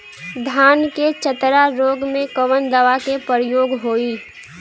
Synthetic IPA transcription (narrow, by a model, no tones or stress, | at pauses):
d̪ʱaːnket͡ʃət̪ɾaɾoːɡmẽkəʋənd̪əʋakepəɾɪjoːɡɦoːi